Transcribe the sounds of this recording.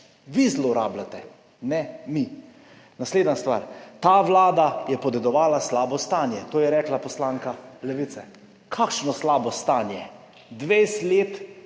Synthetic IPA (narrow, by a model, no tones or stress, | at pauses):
ʋizlɔɾa̰ːblat̪ɛ | nɛmi | nasleːd̪nast̪ʋa̰ːɾt̪aːʋlaːd̪ajɛpɔd̪ɛd̪ɔʋaːlaslaːbɔst̪aːnjɛt̪oːjɛɾɛːklapɔslaːŋkalɛʋit̪sɛ | kʰakʃnɔslaːbɔst̪aːnjɛ | d̪ʋejsleːt̪